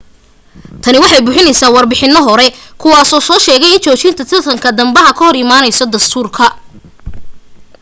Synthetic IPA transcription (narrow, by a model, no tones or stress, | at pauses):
t̪ʰɐnɪwɑħɑjbʊːħɪnɛjsaːwɑrbɪħɪnːɔɦɔɾɛkʰʊwaːsɔːsɔːʃɛːɣɛjɪnt͡ʃʰɔːt͡ʃɪnt̪ʰɐt̪ʰɐrt̪ʰɐŋkʰɐd̪ɐmbɐɦɐkʰɐɦhɔɾɪmaːnɛjsɔd̪ɐst̪ʰuːrkʰɐ